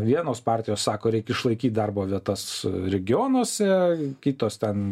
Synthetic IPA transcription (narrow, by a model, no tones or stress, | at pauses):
ʋʲiɛnoːspɑːrʲt̪ʲɪjoːssɑːkoːɾʲɛɪkʲɪʃlˠɐɪkʲiːt̪̚d̪ɐrboːʋʲiɛt̪ɐsɾʲɛɡʲɪoːnoːsʲɛkʲit̪oːst̪ʲɛn